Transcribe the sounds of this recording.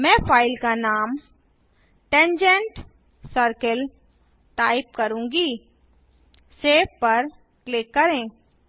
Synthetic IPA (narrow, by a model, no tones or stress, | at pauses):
mɛ̃ːpʰaːɪlkanaːm | ʈɛ̃nd͡ʒə̃ɳʈ | səɾkəl | ʈaːɪp̚kɐɾũːŋɡiː | seːfpɐɾ | klɪkːɐɾẽː